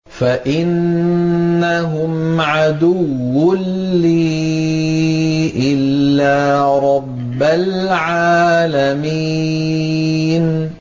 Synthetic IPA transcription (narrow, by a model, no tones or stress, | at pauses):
faʔɪnː | aɦʊmʕad̪ʊwːʊnliː | ʔɪlːaːɾˤɑbːalʕaːlami | n